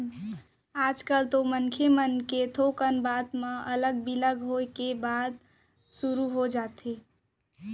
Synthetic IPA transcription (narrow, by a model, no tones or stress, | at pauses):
ad͡ʒkəlt̪omənkʰemənket̪ʰokənbat̪mẽʔələɡ̚biləɡɦoekebad̪̚ | suɾuɦod͡ʒat̪ʰe